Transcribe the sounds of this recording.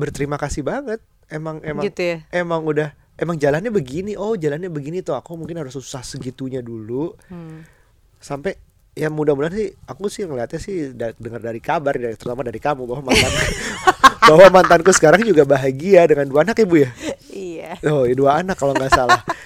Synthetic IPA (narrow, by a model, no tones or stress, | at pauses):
bərt̪əɾimakasibaŋət̪̚ | emaŋemaɡt̪jaemaŋudah | emaŋd͡ʒalanɲabəɡiniʔohd͡ʒalanɲabəɡinit̪oakumuŋkɪnhaɾʊsuu̥sahsəɡit̪uɲadulu | sampe | jamudahbulansɪhakusɪhjŋəliɦat̪̚ɲasɪhddəŋərdaɾikabart̪ərt̪amadaɾikamubawamant̪anku | bawamant̪ankusə̥kaɾaŋd͡ʒuɡabaɦaɡiadəŋanduaːnakabujaijaoduaːnakːaloŋɡaʔsalah